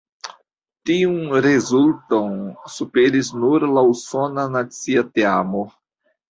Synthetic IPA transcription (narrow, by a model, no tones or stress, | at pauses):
t̪iũɾezult̪õnsupeɾiznuɾlausonanasiat̪eamo